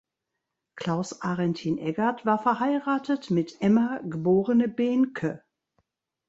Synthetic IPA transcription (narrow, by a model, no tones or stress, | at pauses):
kl̥aʊsʔaʁɛntʰiːnʔɛɡatv̥aːɐfɛɐɦaɪʁaːtətmɪtʔɛmaɡəboːʁənəbɛːnkʰə